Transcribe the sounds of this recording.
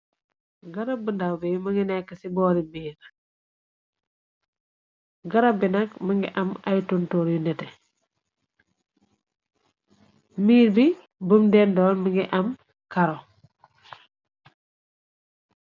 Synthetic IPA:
ɡɐɾabːəndawbiməŋɡinɛkːɐsibɔːɾimiːɾ | ɡɐɾɐbinɐkməŋɡiʔɐmajtuntoɾjunɛtɛ | miːɾbi | bumdɛndɔːlməŋɡiʔɐm | kaɾo

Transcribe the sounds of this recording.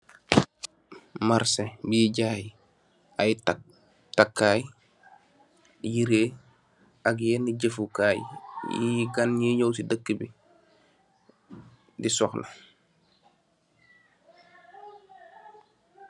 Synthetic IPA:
maɾsebiːɟaːhi | aj | takːaj | jiɾeː | ak̬jɛniɟəfukaːjjḭɡanjiɲowsidəkːəbi | disɔxna̰

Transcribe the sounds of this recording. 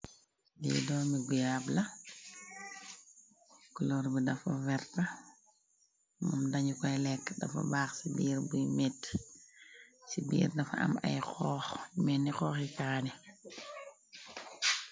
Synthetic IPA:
lḭːdɔːmiɡujaːbla | kulɔɾbudafovɛɾta | mumdaɲukɔjlɛkːda̰fa̰baːxsibiːɾbujmɛt | sibḭːɾdafa̰a̰ma̰jkɔːxmɛnːikɔːxikaːni

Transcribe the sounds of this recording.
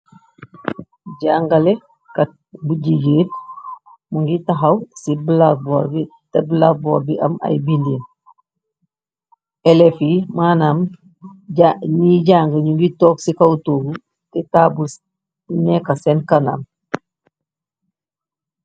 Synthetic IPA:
ɟaːŋɡale | ka | buɟiɡeːt̚ | muŋɡitaɦawsiblaboɾbi | tablaboːɾbiʔa̰ma̰jbindin | elefimaːnam | ɟaɲiɟaŋɡaɲuŋɡitoːksikawutoːɡu | tɛtaːbu | nekasenkana̰m

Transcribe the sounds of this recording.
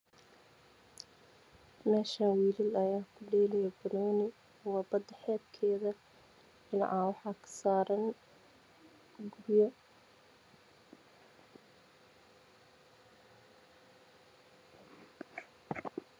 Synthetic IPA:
mɛːʃawiːlɪlɐjaːkʰʊɖɛːlɛjɛbɐnɔːnɪ | wɑbɐd̪ɐħɛːbkʰɛːðɐ | ɪnɑ̰ʕɑːwɑħɑːkʰɐ̥saːɾɐn | ɡuɾjɔ

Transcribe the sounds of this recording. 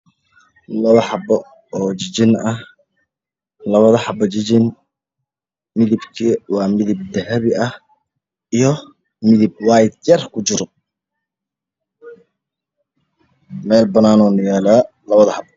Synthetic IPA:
lɐðɐħɑbɔ | ɔːt͡ʃɪt͡ʃɪnɐh | lɐβɐðɐħɑbɔt͡ʃɪt͡ʃɪn | mɪðɪbkʰiwɑːmɪðɪb̚d̪ɐɦɐβɪɐh | ʔijɞ | mɪðɪb̚wɑjd̪jɐrkʰʊt͡ʃɪɾɔ | mɛːlbɐnaːnɔːnɪjala | lɐβɐðɐħɑbɔ

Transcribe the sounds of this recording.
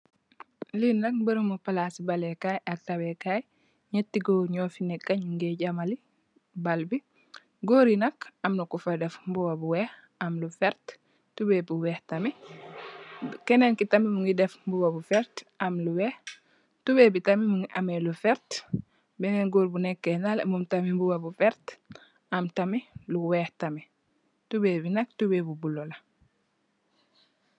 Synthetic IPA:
linnɐk̚bəɾumupɐlaːsibɐlɛkajʔɐk̚tɐwɛkaj | ɲetːiɡoɲɔːfinɛkːɐɲŋɡɛɟamali | bɐlbi | ɡoːɾinɐkɐmnukufɐdɛfmbuwɐbuwɛh | ɐmlufɛɾt | tubɛbiwɛhtɐmi | kɛnenkitamimuŋidɛfmbuwabufɛɾtʔɐmluwɛh | tubebitamimuŋiʔamelufɛɾt | bɛŋeŋɡoːɾbunɛkːenalamumtamimbuwabufɛɾt | ɐmtamiluweːhtami | tubebinak̚tubebubulola

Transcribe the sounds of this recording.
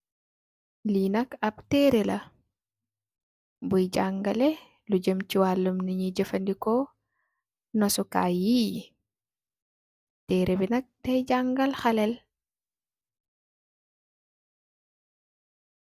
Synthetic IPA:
linɐkɐb̚tɛːɾɛlɐ | bujd͡ʒaŋɡɐlɛ | luɟəmt͡ʃiwalːumniɲiɟəfɐndikɔ | nɔsɔka̰ːji | tɛːɾebinɐk̚dɐjɟaŋɡɐlxɐlɛl

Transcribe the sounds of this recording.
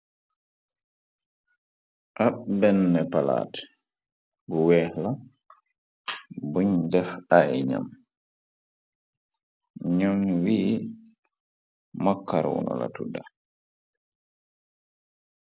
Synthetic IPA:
ʔabɛnːɛpala̰ːt | buwɛːhla | buɲdɛfajɲa̰m | ɲɔnwiː | makːaɾwṵnɔ̰la̰tuda

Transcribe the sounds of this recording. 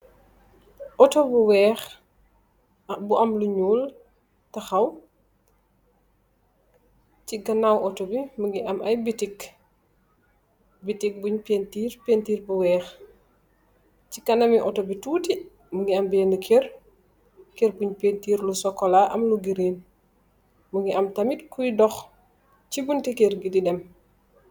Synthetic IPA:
ʔɔtobuwɛːx | buʔɐmluɲuːl | tɐxɐw | ciɡɐnawʔɔtɔbiməɡiʔɐmɐjbitik | bitik̚buɲpentiːɾpentiːɾbuwɛːx | cikɐnɐmiʔɔtobituːti | məɡiɐmbɛːnəkʰer | keɾbuɲpentiːɾlusɔkːɔlaʔɐmluɡiɾiːn | məɡiʔɐmtɐmitkujdɔx | cibuntekerɡididɛm

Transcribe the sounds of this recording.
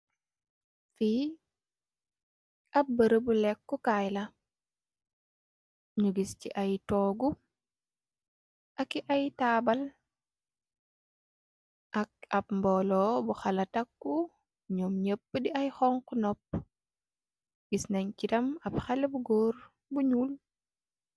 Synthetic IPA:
fi | ʔɐp̚bəɾəbulɛkːukajlɐ | ɲuɡiscḭʔɐjtɔːɡu | ʔɐkiʔɐjtabɐl | ʔɐkɐpmbɔːlɔːbuxɐlɐtɐkːu | ɲɔmɲəpːədiɐjxɔŋkunɔp̚ː | ɡ̥isnɐɲcidɐmɐpxɐlɐbuɡoːr | buɲuːl

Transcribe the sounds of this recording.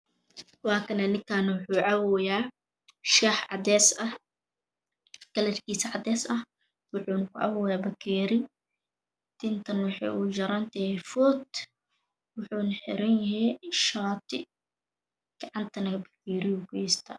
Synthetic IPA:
waːkʰɐnɐnɪkʰaːnɐwʊħuːʕɑwɔjaː | ʃaħʕɑ̰d̪ɛːsɐ | kɐlɐrkiːsɐʕɑd̪ɛːsɐh | wʊħuːnɐkʰʊʕɑ̰wɔːjaːbɐkʰɛːɾɪ | t̪ʰɪnt̪ʰɐnwʊħɑ̰ːʔud͡ʒɐɾɐnt̪ɐhɛfɔːt̪ | wʊħuːnɐħɪ̰ɾɐnjɐɦɛʃaːt̪ɪ | ɡ̥ɑʕɑnt̪ʰɐnɐbɐ̥kʰiːɾɪukʊɛst̪ʰɐ̰ː

